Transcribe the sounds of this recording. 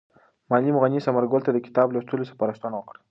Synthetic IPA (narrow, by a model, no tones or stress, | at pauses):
mɑlimɣanisamaɾɡʊlt̪ad̪əkɪ̥t̪ɑblast̪ulosə̥pɑɾəst̪anawəkɽə